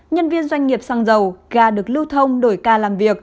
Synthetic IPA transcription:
ɲə˧nvi˧ənzwa˧jŋ̟ŋi˨˩əp̚saː˧ŋzə˨˩wɣaː˨˩ɗɨ˨˩ək̚lɨ˧wt̪ʰə˧wŋ͡mɗo˧˩jkaː˧˩laː˨˩mvi˨˩ək̚

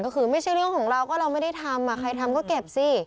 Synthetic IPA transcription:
kɔː˥˩xɯː˧ma˥˩jt͡ɕʰa˥˩jɾɯ˥˩əŋkʰɔː˩˦ŋɾa˧wkɔː˥˩ɾa˧wma˥˩jda˥˩jt̪ʰa˧mːa˧˩xʰa˧jt̪ʰa˧mkɔː˥˩ke˨˩p̚siː˧˥˩

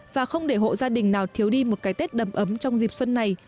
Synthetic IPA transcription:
vaː˨˩xə˧wŋ͡mɗe˧˩ɦo̰˧˨zaː˧ɗï˨˩ŋ̟naː˨˩wt̪ʰi˨˦əwɗi˧mo˨˩t̚kaː˨˦jt̪e˦˥t̚ɗə˨˩mʔə˨˦mt͡ɕɔ˧wŋ͡mzi˨˩p̚swə˧nːa˨˩j

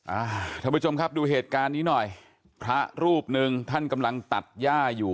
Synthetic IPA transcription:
ʔaː˧˩t̪ʰa˥˩pʰu˦˥t͡ɕʰo˧mkʰa˦˥p̚duː˧ɦeː˨˩t̪̚kaː˧nːiː˦˥nɔ˨˩j | pʰɾa˦˥ɾuː˥˩p̚nɯ˧ŋt̪ʰa˥˩nka˧mla˧ŋt̪a˨˩t̪̚jaː˥˩juː˨˩

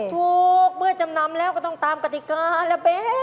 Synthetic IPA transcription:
t̪ʰuː˨˧k̚mɯ˥˩ɐt͡ɕa˧mna˧mlɛː˦˥˩wkɔː˥˩t̪ɔ˥˩ŋt̪aː˨˧mka˧t̪i˧˨kaː˧lɛː˧˩pe˧˥

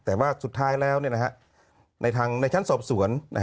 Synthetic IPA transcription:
t̪ɛː˨˩waː˥˩su˨˩t̪ʰːaː˦˥˩jlɛː˦˥˩wni˥˩na˧kʰa˦˧˥ʔ | nʔa˧jt̪ʰaː˧ŋna˧jt͡ɕʰa˦˥˨nsɔː˨˩p̚su˩˦ənnʔa̰˧˦

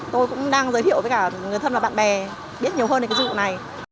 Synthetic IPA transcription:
t̪o˧jkʊ̰˧˥ŋ͡mɗaː˧ŋzəː˨˦t̪ḭ˧˨wvəː˨˦jkaː˧˩ŋ˨əjt̪ʰə˧nvːɓa̰ː˧˨nɓɛ˨˩ | ɓi˦˥ət̚ɲi˨˩əɦəː˧nː˨kːt͡ɕna˨˩j

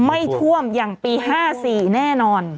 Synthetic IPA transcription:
ma˥˩jt̪ʰu˥˩əmjaː˨˩ŋpiː˧ɦaː˥˩siː˨˩nɛː˥˩nɔː˧n

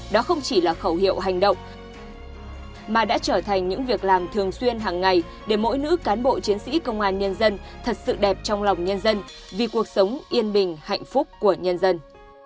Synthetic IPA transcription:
ɗɔ˨˦xə˧wŋ͡mt͡ɕi˧˩laː˨˩xə˧˩whḭ˧˨əwɦa˨˩jŋ̟ɗə̰˧˨wŋ͡m | maː˨˩ɗa̰ː˧˥t͡ɕəː˧˩t̪ʰa˨˩jŋ̟ɲɨ̰˧˥ŋvi˨˩ək̚laː˨˩mt̪ʰɨ˨˩əŋswi˧ənɦaː˨˩ŋːa˨˩j | ɗe˧˩mo̰˧˥jnɨ̰˧˥kaː˨˦nɓo̰˧˨t͡ɕi˨˦ənsḭ˧˥kə˧wŋ͡mʔaː˧nɲə˧nzə˧nt̪ʰə˨˩t̚sɨ̰˧˨ɗɛ˨˩p̚t͡ɕɔ˧wŋ͡mlɔ˨˩wŋ͡mɲə˧nzə˧n | vi˨˩ku˨˩ək̚sə˨˦wŋ͡mʔi˧ənɓï˨˩ŋ̟ha̰˧˨jŋ̟fʊ˦˥k͡p̚ku˧˩əɲə˧nzə˧n

